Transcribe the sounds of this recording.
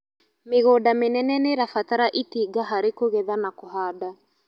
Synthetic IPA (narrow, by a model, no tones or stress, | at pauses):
meɣodamenɛnɛneɾafataɾaʔitiɡaɦaɾekoɣɛðanakoɦada